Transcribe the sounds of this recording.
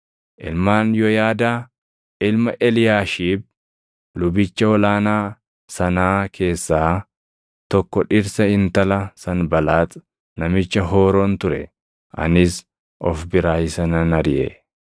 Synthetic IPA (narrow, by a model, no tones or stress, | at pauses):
ʔɪ̰lmaːnjɔjaːd̪aː | ɪlmɐʔɛlɪjaːʃiːb̚ | lʊbɪt͡ʃːɐɔlaːnaː | sɐnaːkʰe̞ːsːaː | t̪ɔkːɔᶑɪɾsɐhɪnt̪ɐlɐsɐnbɐlaːt̪ | nɐmɪt͡ʃːɐɦoːɾoːnt̪ʊɾɛ | ʔɐ̰nɪs | ʔɔfbɪɾaːjɪsɐnɐnɐɾɪʔɛ̰